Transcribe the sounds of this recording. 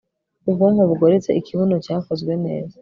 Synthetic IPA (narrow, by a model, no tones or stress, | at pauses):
ubɡoŋoβuɡoɾet͡se̞̰ʔikiβunocaːfozɡwe̞ne̞̰ːza